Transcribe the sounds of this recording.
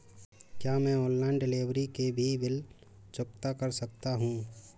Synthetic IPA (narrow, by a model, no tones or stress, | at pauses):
kjaːmɛ̃ːɔːnlɛ̃ːɳɖɪleːʋɾikebʱibɪl | t͡ʃʊkt̪akɐɾsɐk̚t̪aɦũː